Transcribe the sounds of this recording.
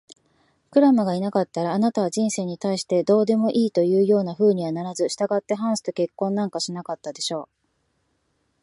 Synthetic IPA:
kɯ̟ɾamaɡainakat̪ːaɾaːnat̪aβaʑĩɰ̃se̞ːɲ̟it̪aiɕi̥t̪e̞d̪o̞ːd̪e̞mo̞ʔiːt̪o̞jɯ̟ːjo̞ːnaɸɯ̟ːɲ̟iβanaɾazɨɕi̥t̪aɡat̪ːe̞ɦãɰ̃sɨ̥t̪o̞ke̞kːõ̞nːãŋkaɕinakat̪ːad̪e̞ɕo̞ː

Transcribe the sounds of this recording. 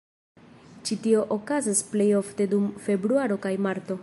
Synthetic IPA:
t͡ʃitio̞ʔokazisple̞jo̞fte̞dumfe̞bɾuaɾo̞kajmaɾt̪o̞

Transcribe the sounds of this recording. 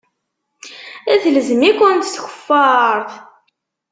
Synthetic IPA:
æθləzəmikʷʊnt̪θçə̥fːɑɾˤθ

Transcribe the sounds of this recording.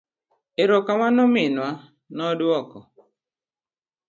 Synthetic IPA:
eɾɔkamanʊmɪnwa | nɔduɔkɔ

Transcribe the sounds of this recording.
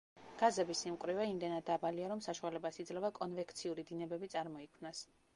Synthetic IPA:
ɡ̥azɛbisimkʼɾivɛimd̪ɛnad̪ːabaliaɾɔmsaʃualɛbasid̪zlɛvakʼɔnvɛkʰt̪sʰiuɾid̪inɛbɛbit̪sʼaɾmɔikʰmnas

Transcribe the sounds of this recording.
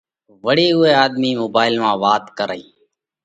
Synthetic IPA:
ʋəɽiːɦʊeːaːd̪miːmoːbaːɪlmãːʋaːt̪kəɾəiː

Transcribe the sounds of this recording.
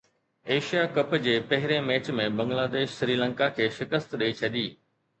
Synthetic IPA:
eːʃijakɐpd͡ʑeːpɐɦɪɾemeːt͡ɕmẽbɐ̃ŋɡlaːd̪eːʃsɾiːlə̃ŋkakʰeːʃɪkəst̪ɗɐit͡ɕʰɐʄiː

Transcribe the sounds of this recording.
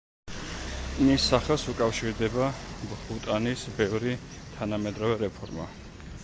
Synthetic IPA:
nisaχɛlˠsukʼafʃiɾd̪ɛbabbut̪ʼanisbɛvɾi | t̪ʰanamɛd̪ɾɔvɛɾɛpʰɔɾma̰

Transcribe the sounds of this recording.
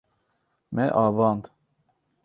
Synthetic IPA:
mɛʔɑːvɑnd̪

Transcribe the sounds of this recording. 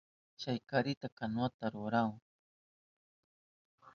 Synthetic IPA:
t͡ʃajkaɾɪt̪akanwat̪aɾʊɾaŋ

